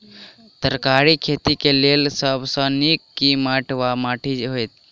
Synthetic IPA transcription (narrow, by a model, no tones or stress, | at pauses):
t̪əɾkaɾikʰet̪ikelelsəbʱsə̃nikːimaʈʰʋamaʈʰid͡ʒɦojt̪̚ʰ